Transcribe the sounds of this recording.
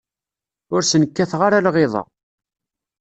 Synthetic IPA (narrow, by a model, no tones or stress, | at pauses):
ʊɾsənəkːæθʁaɾalʁeðˤɑ̰